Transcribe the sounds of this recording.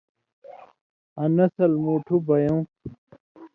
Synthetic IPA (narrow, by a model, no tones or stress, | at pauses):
ɐnɐsɐlmuːʈʰubɐjõ